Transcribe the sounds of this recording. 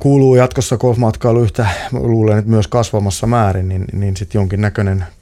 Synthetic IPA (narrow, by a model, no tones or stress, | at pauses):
kuːluːjɑt̪kosːɑkolfmɑt̪kɑilyht̪æluːlenet̪myøskɑsʋɑmɑsːɑmæːrinninninsit̪joŋkinnækønen